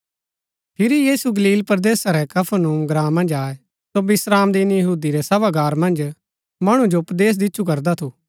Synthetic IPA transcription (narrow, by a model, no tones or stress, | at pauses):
pʰɪɾijiːsuɡɐliːlpɾd̪eːsaɾɛkɐpʰanũːmɡɾãːmːɐ̃nd͡ʒaːe | sobɪsɾaːmd̪iːnjɐɦuːd̪iɾɛsɐʋaɡaːɾmɐ̃nd͡ʒ | mɐɽ̃ũd͡ʒoʊpd̪eːs̬d̪ɪtːʃʰukɐɾd̪at̪ʰuː